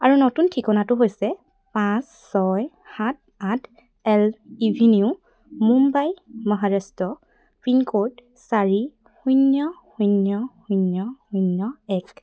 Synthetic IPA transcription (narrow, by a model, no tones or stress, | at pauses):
aɹunotuntʰikɔnatʊɦojsɛ | pãsːɔj | hat̚atʰ | ɛlibʱiniu | mumbajmɔɦaɹastɔ | pɹinkoɹd | saɹi | xujnjɔxunjɔxujnjɔxunjɔɛk